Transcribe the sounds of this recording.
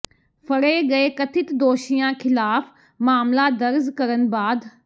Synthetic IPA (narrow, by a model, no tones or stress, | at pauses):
pʰəɽeːɡɐeːkət̪ʰɪt̪d̪oːʃijãːkʰɪlaːpʰ | maːmlaːd̪əɾzkəɾənbaːd̪